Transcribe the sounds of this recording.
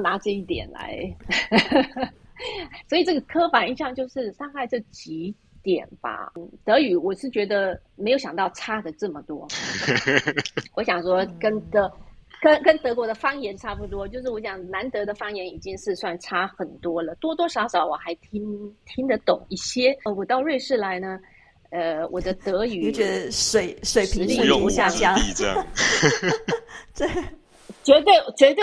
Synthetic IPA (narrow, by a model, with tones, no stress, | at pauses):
na˧˥ʈ͡ʂɤ˥˧i˥˩t̪jɛ̰˨˩nla̰˧˥ɪ | swɔ˧˥i˨˩ʈ͡ʂɤ˥˩ɡə˩kʰɤ˥fa˨˩ni˥˩˧ɕjɑ˥˧ŋt͡ɕjo˥˧ʊʂɻ̩˥˧ʂɑ˥˧ŋxa˥˧ɪʈ͡ʂɤ˥˩t͡ɕi˧˥ | t̪jɛ̰˨˩nb̥ɐ̰˧˩˥t̪ɤ˧˥y˧˥wɔ˨˩ʂɻ̩˥˩t͡ɕɥɛ˧˥d̪ə˧me˧˥ɪjo˧˥ʊɕɑ˨˩ŋt̪ɑ˥˩ʊʈ͡ʂʰa˥d̪ə˨ʈ͡ʂɤ˥˩mə˩t̪wɔ˥ | wɔ˧˥ɕjɑ˨˩ŋʂwɔ˥kə˥nt̪ɤ˧˥kə˥nkə˥nt̪ɤ˧˥kwɔ˧˥d̪ə˧fɑ˥ŋjɛ˧˥nʈ͡ʂʰa˥pu˧˥t̪wɔ˥t͡ɕjo˥˧ʊʂɻ̩˥˩wɔ˧˥ɕjɑ˨˩ŋna˧˥nt̪ɤ˧˥d̪ə˧fɑ˥ŋjɛ˧˥ni˨˩t͡ɕi˥ŋʂɻ̩˥˧swa˥˩nʈ͡ʂʰa˥xə˨˩nt̪wɔ˥lə˨t̪wɔ˥t̪wɔ˥ʂɑ˧˥ʊʂɑ˨˥ʊwɔ˨˩xa˧˥ɪt̪ʰi˥ŋt̪ʰi˥ŋd̪ə˨t̪ʊ̰˨˩˦ŋi˥˩ɕjɛ˥˩wɔ˨˩t̪ɑ˥˧ʊɻwe˥˧ɪʂɻ̩˥˩la˧˥ɪnə˧ | ə˧wʔɔ̰˨˩d̪ə˧˦t̪ɤ˧˥y˨˧˥t͡ɕɥɛ˧˥də˧ʂwe˨˩ɪʂwe˨˩ɪpʰi˧˥li˥jʊ˥˧˥ɕja˥˧t͡ɕjɑ˥ŋ˧˥ | t̪we˥˩ | t͡ɕɥɛ˧˥t̪̬we˥˩ɪ˨˩t͡ɕɥɛ˧˥t̪̬we˥˩